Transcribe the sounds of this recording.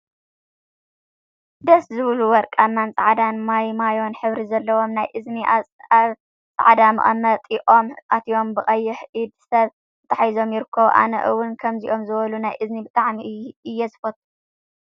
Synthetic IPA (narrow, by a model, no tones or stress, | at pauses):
d̪ɐszɨβluwɔɾkʼamant͡sʼɐʕad̪anmajmajo̞nħɨβɾizɐlːɐwo̞mnajʔɨzniʔaaβ | t͡sʼaʕad̪amɨ̰ʔʼɐ̰mɐt̪ʼiʔʼo̞mʔat̪ʰijo̞mbɨχʼɐjːɪħʔid̪sɐβ | ɨt̪ʼaħjzo̞mjɪɾɨkʰːɐβuʔa̰nɐ̰ʔɨwːʊnkʰɐmziʔo̞mzɨβɐlunajʔɨznibɨt̪ʼaʕmiʔɨjːɛzɨfɐt̪ʼu